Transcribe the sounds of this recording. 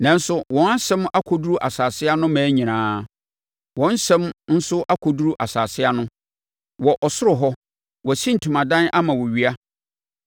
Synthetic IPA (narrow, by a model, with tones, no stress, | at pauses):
nã˨n˦sʊ˦wɔ̃˨na˦sɛ̃˦ma˦kʷʰɔ˨du˦ɾu˦ʔa˨saː˨sɪ˦a˦nʊ̃˦mæ̃ː˨˦ɲĩ˨nãː˨˦ | wɔ̃˨˦n˦sɛ̃˦mn̩˦sʊ˦ʔa˦kʰɔ˨du˦ɾu˦ʔa˨saː˨sɪ˦a˦nʊ̃˦ | wɔ˨ʔɔ˨sʊ˦ɾʊ˨ɦɔ˦ | wɔ˨sĩ˦n̩˨tʰu˨mã˨dã˦nʔa˦mã˨wɔ˨ɥi˦a˦